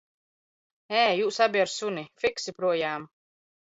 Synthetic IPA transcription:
ɛːjuːsabʲiaɾsunʲifiksipɾuɔjaːm

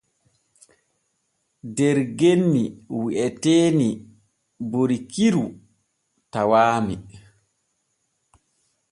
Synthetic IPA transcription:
dɛɾɡenːiwiʔɛteːni | boɾikiɾu | tawaːmi

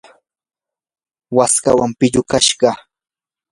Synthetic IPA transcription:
waska̰wampɪʎʊkaʃɢɑ

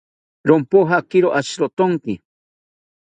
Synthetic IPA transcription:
ɾompoɦakɪɾoʔaʃɾot̪oŋkɪ

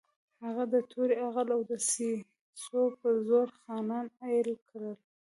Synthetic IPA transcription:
haɣad̪ət̪ʰuɾeaɣalawd̪əsi | sopəzoɾxɑnɑnajlkɽəl

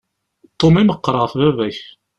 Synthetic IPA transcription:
t̪ˤːomiməqːɾˤəʁθvævæç

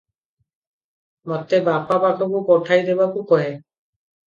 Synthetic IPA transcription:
mɔt̪ɛbapapakʰɔkʊkɔʈʰajd̪ebakukɔɦɛ

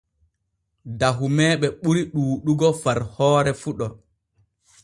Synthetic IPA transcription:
daɦumɛːɓɛɓuɾiɗuːɗuɡɔfaɾhɔːɾɛfuɗɔ

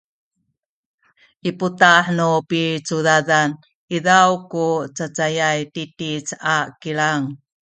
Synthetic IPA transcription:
ʔiputaħnupit͡sudaðan | ʔiðawkut͡sat͡sajajtitit͡sakiɭaŋ

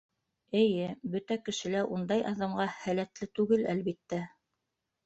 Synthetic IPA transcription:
ɘ̆jɘbɵt̪ækɘ̆ʃɘ̆læɾʔund̪ɑjɑðɑmɢɑhælæt̪lɘt̪ʉɡɘlælβit̪ːæ

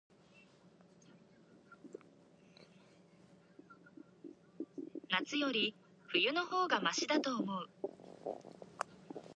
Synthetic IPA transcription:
nat͡sɨjo̞ɾʲi | ɸɯ̟jɯ̟no̞ho̞ːɡamaɕid̪at̪o̞ːmo̞ɯ̟

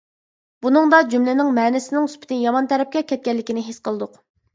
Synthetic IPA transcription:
bunɨŋd̪ɑd͡ʒymlɪnɪŋmɛːnɪsɪnɪŋyspɪ̥t̪ʰɪnjɑmɑnt̪ʰɛɾɛp̚kʲɛkʲʰɛt̪̚kʲɛlːɪkʲinɪɦesqʰəlˠɨd̪ʊq

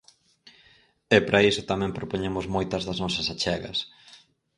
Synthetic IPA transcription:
ɛpɾʔaisʊt̪amɛ̃mpɾopoɲemʊzmojt̪ɐzðɐznɔsɐsat͡ʃɛɣɐ̰s

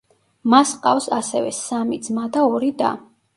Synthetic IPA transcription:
masqʼafsasɛvɛ̰samid̪zmad̪aɔɾid̪a̰

